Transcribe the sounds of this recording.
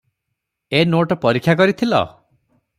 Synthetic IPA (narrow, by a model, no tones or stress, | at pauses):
enoʈɔpɔɾikʰːjakɔɾit̪ʰilɔ̰